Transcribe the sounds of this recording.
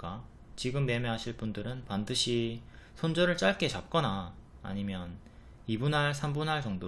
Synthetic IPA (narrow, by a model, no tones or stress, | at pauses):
k͈a | t͡ɕiɡɯmːe̞meɦaɕʰiɭp͈undɯɾɯnpandɯɕʰisʰond͡ʑoɾɯɭt͡ɕ͈aɭk͈e̞t͡ɕap̚k͈ʌna̰ː | ɲimjʌn | ibunɦaɭs̬ʰambunɦaɭt͡ɕʌŋdo